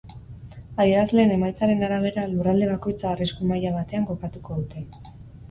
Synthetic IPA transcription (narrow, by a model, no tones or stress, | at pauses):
aiazle̞ːne̞majt͡saɾe̞naɾaβ̞e̞ɾalurald̪e̞β̞ako̞jt͡saːriskumajaβat̪e̞aŋɡo̞kat̪uko̞ðut̪e̞